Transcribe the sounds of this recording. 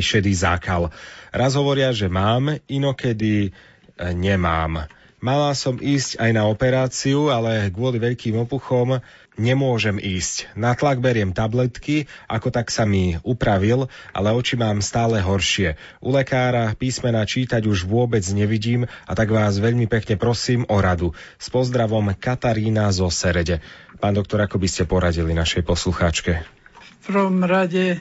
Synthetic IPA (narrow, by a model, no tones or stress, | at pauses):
ʃɛd̪izakalɾazɦɔʋɔɾɪaʒɛmaːminɔkɛd̪i | ɲɛma̰ːmː | alasɔmʔiːscajnaɔpɛɾaːt͡siualɛɡʋʊɔliʋɛʎkiːmɔpuxɔm | ɲɛmʊɔʒɛmiːscnat̪laɡbɛɾɪɛmt̪ablɛt̪kia̰kɔt̪aksamiupɾaʋilʔa̰lɛɔt͡ʃimaːmst̪aːlɛɦɔɾʃɪɛ | ʔulɛkaːɾapiːsmɛnaːt͡ʃiːt̪aɟuʒʋʊɔbɛd͡zɲɛʋiɟiːmat̪aɡʋaːzʋɛʎmipɛkɲɛpɾɔsiːmɔɾad̪u | spɔzd̪ɾaʋɔmkat̪aɾiːnazɔsɛɾɛɟɛpaːnd̪ɔk̚t̪ɔɾakɔbiscɛpɔɾaɟilinaʃɛjpɔsluxaːt͡ʃkɛfpɾʋɔmɾaɟɛ